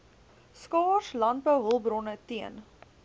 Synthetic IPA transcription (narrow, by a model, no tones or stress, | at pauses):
skɑːslɑnt̚bəwɦəlˠbrɔnətiən